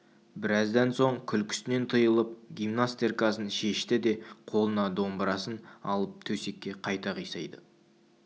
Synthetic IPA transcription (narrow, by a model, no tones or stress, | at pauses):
bɪɾɑzd̪ɑnso̞ɴkʲʰʏlkʲʰʏ̥sɪne̞nt̪ʰɨjəlˠəp̚ɡʲijmnast̪erkɑsənʃe̞ʃt̪ɪd̪e̞qʰo̞lˠənɑd̪o̞mbɾɑsənɑlˠəp̚t̪ʰɵse̞kʲːe̞qʰɑjt̪ɑʁijsɑjd̪ə